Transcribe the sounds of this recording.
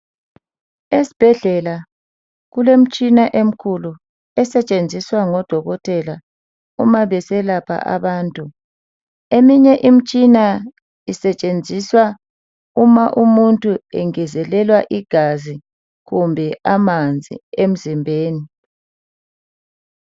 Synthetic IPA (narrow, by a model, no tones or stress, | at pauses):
esi̥b̥ʱɛɮɛla | ɣulem̩t͡ʃʼinaʔem̩kʰulu | ɛsɛt͡ʃʼend͡zʱiswaŋɔd̥ʱɔɣɔtʰʼɛla | ṵmaβɛsɛlapʰa̰ʔa̰βaːntʼu | emiɲɛʔim̩t͡ʃʼina | isɛt͡ʃʼend͡zʱiswa | umaʔumuntʼuɛ̰ŋɛzɛlɛlwaʔiɡ̥ʱazi | ɣumbʱɛʔamand͡zʱḭem̩zimbʱeːni